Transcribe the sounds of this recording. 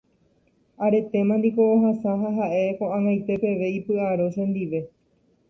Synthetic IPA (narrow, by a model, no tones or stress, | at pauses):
aɾe̞t̪e̞mãnd̪iko̞ːɦasãɦaɦaʔe̞kõãŋajt̪e̞pe̞ʋe̞ipɨaɾoʃẽnd̪iʋe̞